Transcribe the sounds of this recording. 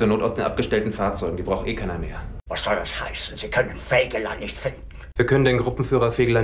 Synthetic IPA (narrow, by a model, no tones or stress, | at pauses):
t͡suːɐnoːtaʊsd̥eːnʔa̰p̚ɡ̥əʃtɛltn̩faːɐt͡sɔʏɡŋ̩diːbʁaʊxtʔeːkʰaɪnɐmeːɐvasz̥ɔldashaɪsn̩ziːkʰœnənfɛːɡəla̰nːɪçtfɪndnn̩viːɐkʰœnəndeːnɡʁʊpm̩fyːʁɐfeːɡəla